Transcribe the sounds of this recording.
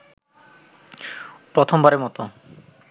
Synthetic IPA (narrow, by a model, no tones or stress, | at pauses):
pɾɔt̪ʰɔmbaɾemɔt̪ɔ